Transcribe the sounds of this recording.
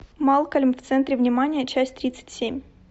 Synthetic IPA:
mɑlˠkəlʲmft̪sɛnt̪ɾʲɪvnʲɪmanʲɪjət͡ɕæsʲt̚ʲt̪ɾʲit̪sɨ̥tʲsʲemʲ

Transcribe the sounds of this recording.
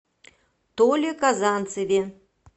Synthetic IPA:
t̪olʲekazɑnt̪t͡sɨvʲe

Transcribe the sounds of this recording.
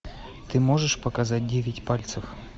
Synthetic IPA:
t̪ɨmoʐɨʂpəkɐzat̚ʲdʲevʲɪtʲpalʲt̪sɨf

